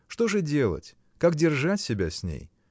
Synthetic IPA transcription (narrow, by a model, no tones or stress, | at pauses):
ʂt̪o̞ʐɨdʲe̞lˠə̰tʲ | kak̚dʲɪrʐatʲsʲɪbʲasʲnʲḛj